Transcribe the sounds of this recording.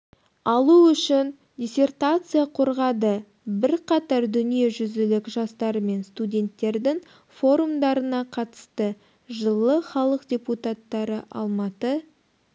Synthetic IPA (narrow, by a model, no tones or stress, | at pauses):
ɑlˠuʏʃɪn | dʲisʲe̞rt̪at̪sɨjaqʰoɾʁɑd̪ə | bɪɾqʰɑt̪ɑɾd̪ʏnije̞ʒʏzɪlɪkʒɑst̪ɑɾəme̞nst̪udʲe̞nt̪ːe̞ɾd̪ɪŋ | fo̞ɾumd̪ɑɾənɑqʰɑt̪ə̥st̪ə | ʒəlˠəχɑlˠəqdʲeput̪at̪ːɑɾəʔɑ̰lˠmɑt̪ə